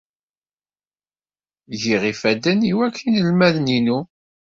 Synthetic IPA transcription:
ʝiʁifæd̪æniwækʰːinəlmæðninu

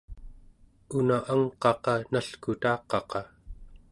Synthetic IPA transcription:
unaʔaŋqɑqɑnaɬkut̪ɑːqɑqɑ

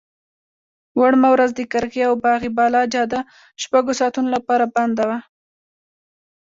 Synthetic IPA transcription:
waɽmawɾazd̪əkaɾɣeawbɑɣibɑlɑd͡ʒɑd̪a | ʃpaɡosɑt̪unolapɑɾaband̪awa

